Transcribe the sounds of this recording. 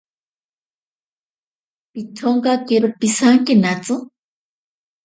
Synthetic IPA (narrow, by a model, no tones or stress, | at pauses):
pit̪ʰoŋɡakeɾʊpisaŋkinat͡sɨ